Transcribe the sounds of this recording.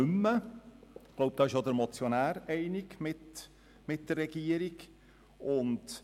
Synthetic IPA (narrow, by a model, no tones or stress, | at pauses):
ʉmːə | ɡ̥loʊp̚d̥ɑːɪʃjod̪əɾmɔt͡sjonæːɾɛɪnɪɡmɪt | mɪt̚d̥ərːɛɡ̥iəɾɪɡ | ʔʊnd